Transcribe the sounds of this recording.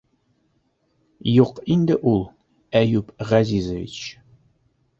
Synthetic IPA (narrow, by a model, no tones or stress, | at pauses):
juqind̪ɘʔulˠ | æjʉpʁæzʲizəvʲḭt͡ɕ